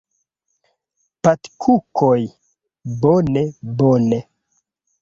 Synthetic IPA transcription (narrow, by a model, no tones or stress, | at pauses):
patkʰukʰoj | bonebone